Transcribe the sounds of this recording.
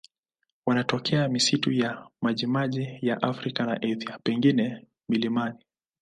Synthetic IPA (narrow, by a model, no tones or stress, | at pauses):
wanatɔkʰɛamisitujamaʄimaʄijaʔafɾikana̰ʔɛθiapɛŋɡinɛ | milimani